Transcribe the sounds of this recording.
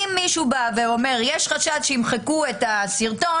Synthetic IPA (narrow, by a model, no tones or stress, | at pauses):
imːiʃubaveo̞me̞ʁjɛʃχaʃatʃeimχekuetasiʁto̞